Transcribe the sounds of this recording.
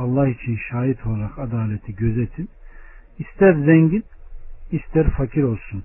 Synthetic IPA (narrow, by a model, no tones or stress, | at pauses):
ɑlˠːahit͡ʃʰinʃaːit̪ʰo̞lˠaɾaqad̪aːlʲet̪ʰiɟøzet̪ʰin | ist̪ʰæɾzɛɲɟinist̪ʰæɾfacʰiɾo̞lˠsun